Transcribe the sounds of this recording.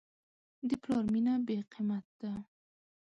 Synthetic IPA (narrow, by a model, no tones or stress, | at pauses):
d̪ɪplɑɾminabeqʰimat̪̚d̪̥a